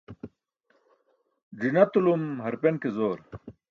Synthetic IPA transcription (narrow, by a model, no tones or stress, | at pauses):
d͡ʑinɐt̪ulumɦɐɾpenkezoːɾ